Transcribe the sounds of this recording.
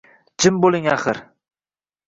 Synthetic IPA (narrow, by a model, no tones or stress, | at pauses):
d͡ʒɪmbolˠɪŋaχɨɾ